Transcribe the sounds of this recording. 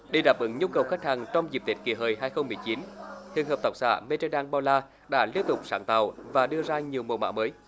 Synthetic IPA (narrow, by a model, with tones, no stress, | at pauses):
ɗi˧˩jɗaː˨˩p̚ʔɨ˨˧˦ŋɲu˧kə˨˩wxa˦˥k̚haː˨˩ŋt͡ɕɔ˧wŋ͡mzi˨˩p̚t̪i˨˩˥t̚ki˧˩əɦəː˨˩jɦaː˧jxə˧wŋ͡mmɨ˨˩əjt͡ɕi˨˦nhʰḭ˨ənɦəː˨˩p̚t̪a˨˩k͡p̚sa̰ː˧˩me˧t͡ɕə˧ɗaː˧ŋɓaː˧laː˧ | ɗa̰ː˧˥li˧ənt̪ʊ˨˩k͡p̚sa̰ː˧˩nt̪aː˨˩wvaː˨˩ɗɨ˧əzaː˧ɲi˨˩əwmo˨˩wma̰ː˧˥məː˨˦j